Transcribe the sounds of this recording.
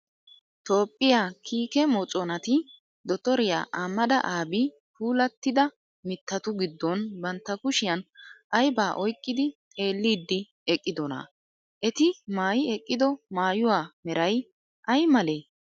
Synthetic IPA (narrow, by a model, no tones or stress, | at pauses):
t̪o̞ːpʼːɪjaːkʰiːkɛmɔt͡sʼɔnɐt̪ɪ | d̪ɔt̪ɔɾɪja̰ːʔaːmːɐd̪ɐ̰ʔaːbi | pʰuːlɐt̪ːɪd̪ɐ | mɪt̪ːɐt̪ʊɡɪd̪ːɔnbɐnt̪ːɐkʊʃɪjɐnʔɐjbaːʔɔjkʼːɪd̪ɪt̪ʼe̞ːlːiːd̪ːɪ | ɛkʼːɪd̪ɔnɐ̰ | ʔɛt̪ɪmaːjɪɛkʼːɪd̪ɔmaːjʊwaːmɛɾɐj | ʔɐjmɐleː